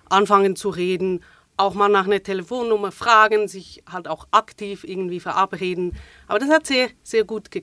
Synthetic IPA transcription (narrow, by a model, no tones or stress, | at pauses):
ʔanfaŋənt͡suʁeːdn̩ | ʔaʊxmaːlnaːχnəɐtʰelefoːnːʊmɐfʁ̥aːɡn̩zɪçhaltaʊxʔaktʰiːfʔɪɐɡŋ̩tv̥iːfɛɐʔapʁeːdn̩ʔaːbɐdashatz̥eːɐz̥eːɐɡuːtɡ̥ə